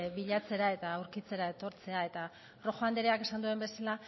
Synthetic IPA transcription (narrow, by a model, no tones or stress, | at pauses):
βiʎat͡se̞ɾae̞t̪aːwɾkit͡se̞ɾae̞t̪o̞ɾt͡se̞ae̞t̪a | ro̞xoand̪eɾeake̞sand̪ue̞mbe̞sala